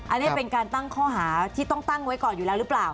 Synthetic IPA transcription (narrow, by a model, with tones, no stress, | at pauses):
ʔa˧nːi˦˥ɐ˩pe˧nkaː˧nt̪a˥˩ŋkʰɔː˥˩ɦaː˩˦t̪ʰiː˥˩t̪ɔ˥˩ŋt̪a˥˩ŋwa˦˥jkɔː˨˩njuː˨˩lɛː˦˥wɾɯː˦˥plaː˨˩w